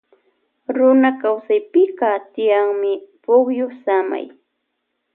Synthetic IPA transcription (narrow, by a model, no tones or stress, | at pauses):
ɾʊnakawsajpɪqɑt̪ɪjaŋmɪpʊχjosama̰j